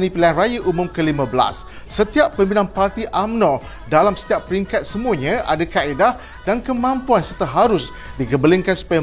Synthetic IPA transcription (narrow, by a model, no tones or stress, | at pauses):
nĩpilaanrajaʔumʊ̃mkəlimãbəla̰sː | ət̪iapːəmbinanpart̪iʔamnɔ̃ | dalamsə̥t̪iappːəɾiŋkat̪̚səmuaɲãʔa̰dakaedah | dankəmãmpuansərt̪aɦaɾʊs | diɡəbəlɪŋkansu̥paja